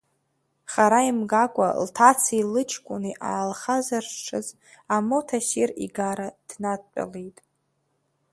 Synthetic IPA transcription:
χaɾaimɡakʷʼa̰ltʰat͡sʰilɨt͡ʃʰkʷʼʊniʔa̰alχazarʈ͡ʂʰɨzʼ | amo̞tʰaʃirḭɡaɾad̥nat̚ʼpʼa̰lejtʼ

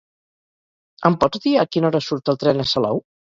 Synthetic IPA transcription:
əmpɔzd̪iakinɔɾəsuɾt̪əlˠt̪ɾɛnəsəlɔ̰w

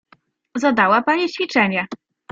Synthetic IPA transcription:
zad̪awapaɲiɕfʲit͡ʂɛɲɛ

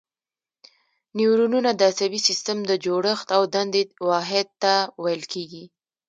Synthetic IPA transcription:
niwɾununad̪əasabisist̪əmd̪əd͡ʒoɽəxt̪awd̪and̪ewɑɦɪd̪̚t̪awajəlkʰeɡi

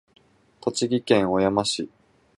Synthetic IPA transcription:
k̪o̞t͡ɕiɡʲikẽ̞ɰ̃o̞jamaɕi

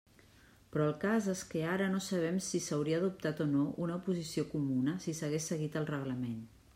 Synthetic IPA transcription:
pɾɔəlˠkazeskeaɾənosəβ̞ɛmsisəwɾiəːðup̚t̪at̪onoʔunəupuzisiokumunəsisəɣesːəɣit̪əlˠrəɣləmen

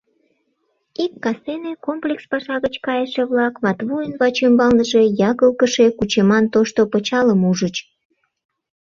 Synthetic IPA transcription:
ikːɑsenekomplʲekspɑʃɑɣət͡ɕkɑjəʃeβlɑkβɑt̪βujənβɑt͡ɕymbɑlnəʒe̽jɑɣəlkəʃe̽kut͡ɕemɑnt̪oʃt̪opət͡ɕɑləmuʒət͡ɕ

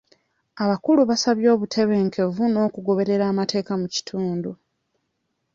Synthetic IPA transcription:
aβakuluβasaβjo̞ːβutʰe̞βe̞ːŋkʰe̞vuno̞ːkuɡo̞βe̞ɾe̞ɾaːmate̞ːkamuci̥tʰuːndu

